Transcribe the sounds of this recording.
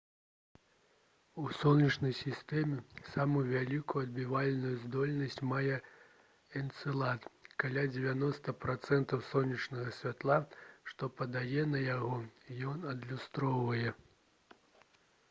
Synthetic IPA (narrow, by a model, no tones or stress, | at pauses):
usɔlˠnʲɐt͡ʂnɐjsʲist̪ɛmʲɛsamujuvʲalʲikujuɐd̪̚bʲivalʲnujuzd̪ɔlʲnɐsʲt͡sʲmajɛ | ɛnt̪sɨlˠat̪kalʲad͡zʲɛvʲanɔst̪ɐpɾat̪sɛnt̪ɐwsɔnʲɐt͡ʂnɐɣɐsʲvʲat̪lˠaʂt̪ɔpɐd̪ajɛnɐjaɣɔijɔnɐd̪lʲust̪ɾɔvɐjɛ